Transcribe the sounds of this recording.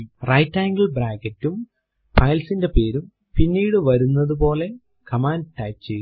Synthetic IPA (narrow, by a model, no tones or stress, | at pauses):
rɐjtːaːŋɡiɭbraːkɐtːum | pɐjlsinde̞pe̞ːɾum | pinːiːɽɨʋɐɾunːɐðupo̞ːle̞ | kɐmaːnʈaːt͡ɕːe